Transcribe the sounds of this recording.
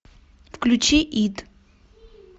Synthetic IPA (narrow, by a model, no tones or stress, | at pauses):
fklʲut͡ʃʰɛʔid̪